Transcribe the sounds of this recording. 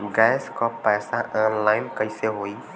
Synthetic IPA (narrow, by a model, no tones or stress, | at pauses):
ɡɛːskɔpːɛːsaʔɔ̃ːnlaːɪnkəiseɦoːi